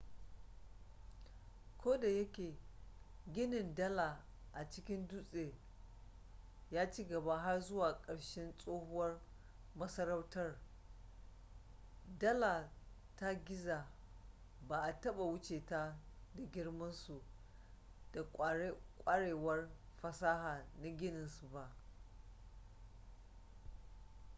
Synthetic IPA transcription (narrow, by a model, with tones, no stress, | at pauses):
kʷʰoː˦da˨jɐ˦kʲeː˨ | ɡʲɪ˦nɪ˨ndɐ˦la˨ | ʔa˨t͡ʃɪ˦kʲɪ˦nduː˦sʼeː˨ | jaː˦t͡ʃiː˦ɡɐ˨ba˦ɦa˦rzʊ˦waː˨kʼɐ˨ɽʃɛ˦nsʼoː˦hʊ˦wɐ˦r | mɐ˦sɐ˦ɾɐ˦wtɐ˦r | dɐ˦la˨ | ta˦ɡʲɪ˦zaː˨ | baː˨ʔa˨tɐ˦ɓa˨wʊ˦t͡ʃeː˨ta˦da˨ɡʲɪ˦rmɐ˦nsu˨ | d̥a˨kʷʼkʷʼa˦ɽeː˨wɐ˦rɸɐ˨saː˦haː˨na˦ɡʲɪ˦nɪ˨nsu˨ba˦ʔ